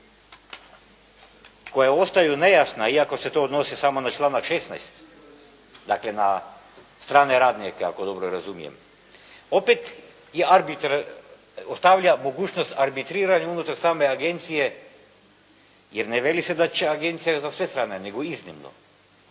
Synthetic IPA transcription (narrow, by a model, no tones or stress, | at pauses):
kojaost̪ajunejasnaiakosɛt̪oːd̪nosisamonat͡ʃlˠanakʃesna̰jst̪ | d̪aklena | st̪ɾaːnɛɾad̪nikɛa̰kod̪obɾoɾazumijɛ̰m | opet̪ | jeaɾbit̪ɾ | ost̪aʋʎamoɡut͡ʃnost̪aɾbit̪ɾiɾaɲunut̪aɾsaːmeaɡent̪sije | jɛɾnɛʋelisɛd̪at͡ʃɛaɡent̪sijazasʋest̪ɾaːnɛneɡoiznimno̰